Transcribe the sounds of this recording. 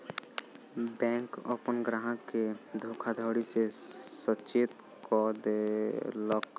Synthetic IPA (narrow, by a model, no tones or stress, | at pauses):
bɛ̃ːŋkɔ̰pənɡɾaɦãked̪ʱoːkʰad̪ʱəːɽisesət͡ʃeːt̪ | kɔd̪elɔk